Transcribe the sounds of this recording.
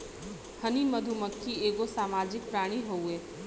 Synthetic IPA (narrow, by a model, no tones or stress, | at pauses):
həniməd̪ʱuməkʰːieːɡosaːmaːd͡ʒɪk̚pɾaːɽ̃iɦoueː